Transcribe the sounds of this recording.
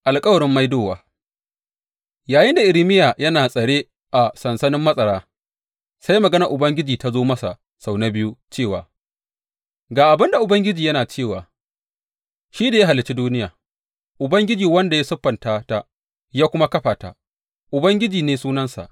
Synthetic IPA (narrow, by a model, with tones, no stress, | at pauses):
ʔa˨lkʼɐ˦wɐ˨ɽɪ˦mːa˦jdoː˦˨waː˨ | jaː˨jɪ˦nda˨ʔɪ˨ɾɪ˦mɪ˦jaː˨jɐ˦naː˨sʼɐ˨ɽeː˦ | ʔa˨sɐ˨nsɐ˦nɪ˦mːɐ˦sʼɐ˨ɽaː˦ | sa˦jmɐ˨ɡɐ˦nɐ˨ʔʊ˨bɐ˦ŋɡʲɪ˦d͡ʒiː˨ta˦zoː˦mɐ˦sa˨ | sa˨wna˦bɪ˦ju˦t͡ʃeː˦˨wa̰ː˨ | ɡaː˨ʔa˨bɪ˦nda˨ʔʊ˨bɐ˦ŋɡʲɪ˦d͡ʒiː˨jɐ˦naː˨t͡ʃeː˦˨wa̰ː˨ | ʃiː˦da˨ja˦ɦa˨lːɪ˨t͡ʃi˦duː˦nɪ˦jaː˨ | ʔʊ˨bɐ˦ŋɡʲɪ˦d͡ʒiː˨wɐ˦nda˨ja˦sʊ˦ɸːɐ˨ntaː˦ta˦ | jaː˦kʷʊ˦ma˦kɐ˦ɸaː˨ta̰˨ | ʔʊ˨bɐ˦ŋɡʲɪ˦d͡ʒiː˨neː˨suː˦nɐ˦nsa̰˨ʔ